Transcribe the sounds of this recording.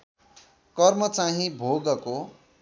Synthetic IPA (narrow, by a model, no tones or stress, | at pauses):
kʌrmʌt͡saɦĩbʱoɡʌko